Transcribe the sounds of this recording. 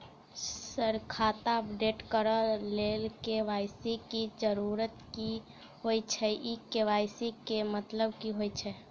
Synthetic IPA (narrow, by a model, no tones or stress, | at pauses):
səɾkʰat̪aəpɖeʈkəɾəlelkeʋajsikid͡ʒəɾuɾət̪ki | ɦojt͡ʃʰɛʔikːeʋajsikemət̪ləb̚kiɦojt͡ʃʰɛ